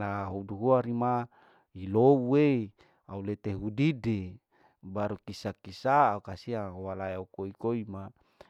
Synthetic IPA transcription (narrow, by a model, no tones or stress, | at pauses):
naɦuduɦuaɾima | ilowuei | aulet̪eɦudide | baɾukisakisaːukasiawalaeukoikoima